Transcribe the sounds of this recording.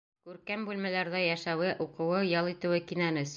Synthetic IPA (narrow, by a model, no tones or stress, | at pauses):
kʉɾkæmbʉlmælæɾðæjæʃæwɘʔuqɤ̆wɤjɑlˠit̪ɘ̆wɘkinænɘs